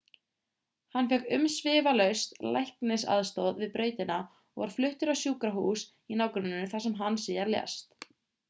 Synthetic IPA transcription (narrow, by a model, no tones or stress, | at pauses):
hanːfjɛkʏmsvɪːvalœɥst̪lajhknɪsa̰ðst̪oːwðvɪðpɾœːɥt̪ɪna | ɔ̰ɣɔɾ̥flʏht̪ʏɾawsjuːkɾaɦuːs | inaːwkɾʏnnːʏθasɛmɦanːsiːjaɾljɛ̰st̪